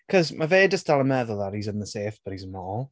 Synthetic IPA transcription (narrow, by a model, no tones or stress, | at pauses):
kʰɔzmaveːdəsd̥alˠəmɛðʊlˠaɾizənðəseːfb̥əɾizənɔːlˠ